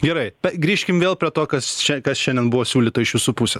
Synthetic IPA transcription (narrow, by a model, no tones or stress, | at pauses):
ɡʲɛɾɐɪpʲɛɡɾʲiːʃʲkʲɪmʋʲeːlˠpʲɾʲiɛt̪oːkɐsʃʲɛkɐsʃʲɛnʲd̪ʲɛnbʊʋoːsʲuːlʲiːt̪oɪʃʋʲɪsuːpusʲeː